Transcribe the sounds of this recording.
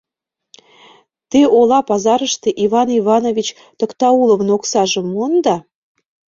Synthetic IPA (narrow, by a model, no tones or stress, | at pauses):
t̪eolɑpɑzɑɾə̆ʃt̪eʔiβɑniβɑnovʲit͡ɕ | t̪okt̪ɑulˠovnoksɑʒə̆mond̪ɑ